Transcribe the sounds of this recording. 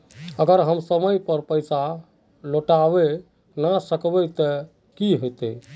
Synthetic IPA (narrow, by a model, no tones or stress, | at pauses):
əɡəɾɦəmsəməjpəɾpəjsa | loʈabe | nasəkbɛt̪ɔ | kiɦojt̪e